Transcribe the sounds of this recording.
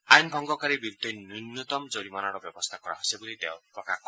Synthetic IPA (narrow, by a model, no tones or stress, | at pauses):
ajnbʱɔŋɡɔkaɾebiɾud̪ʱejnunːut̪ɔmd͡zɔɾimanaɾɔbjɔbɔst̪ʰakɔɾa̰ɦsebulid̪ḛwpɔkakɔ